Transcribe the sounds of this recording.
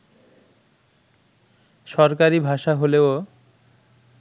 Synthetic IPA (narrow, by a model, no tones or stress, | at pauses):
ʃɔɾkaɾibʱaʃaɦoleo